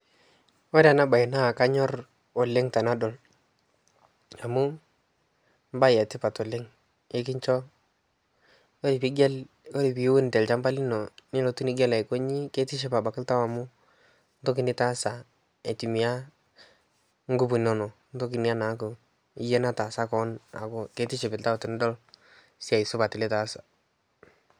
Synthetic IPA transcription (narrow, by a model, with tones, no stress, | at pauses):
ɔ˦ɾa˨na˦ba˨ɪ˨na˦˨ka˦ɲɔ˦r | ɔ˨lɪ˦ŋta˨na˦dɔ˨l | a˨mʊ˦ | mba˦ja˨tɪ˦pa˨tɔ˨lɪ˦ŋ | e˦k̬ɪ˦ɲt͡ʃɔ˦ | o˦ɾi˨pi˦ɡɛ˦l | o˦ɾi˨pi˨˦wʊ˦n˨tɛ˨lt͡ʃa˦mba˦li˦nɔ˨nɪ˦lɔ˨tu˦ni˨˦ɡɛ˦lɛ˨ko˦ɲi˦ke˦tɪ˦ʃ̬ɛ˦pa˨ba˨kɪ˦lta˦wa˨mʊ˦ | n˦to˦k̬ɪ˨˦nɪ˦ta˦sa˨ | e˨ti˨mi˨a˦ | ŋɡu˦bu˨nɔ˦nɔ˨ | n˦to˦k̬ɪ˨ni˦a˦na˨˦kʊ˨ | ɪ˦jɛ˦na˦ta˨sa˦kɔ˨˦na̰˨kʊ˦ke˦tɪ˦ʃɛ˨pɪ˨lta˦wtɪ˨n˦dɔ˦l | sɪ˦a˨i˨sʊ˦pa˨tɪ˨lɪ˦ta˦sḁ˨